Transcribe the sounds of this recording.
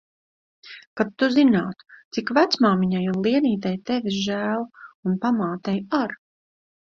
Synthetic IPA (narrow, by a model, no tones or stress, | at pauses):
kap̚t̪ːuzinaːt̪u̥t̪sikvæt̪smaːmiɲajunlˠiɛniːt̪̬ajt̪ɛviʒæːlˠunpamaːt̪ɛjaɾ